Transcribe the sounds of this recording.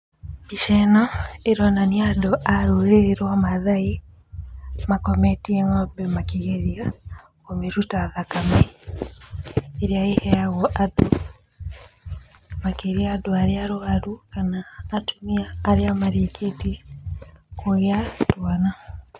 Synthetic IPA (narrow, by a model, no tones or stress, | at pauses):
biʃɛnɔeɾɔnaniadoʔaɾoɣeɾwamaðai | makɔmɛtieŋabɛmakiɣeɾia | komeɾutaðakamɛ | ɾeaehɛaɣɔʔado | makeɾiaːdoaɾeaɾoaɾukanaːtomiaːɾeamaɾekʰeti | koɣeatwana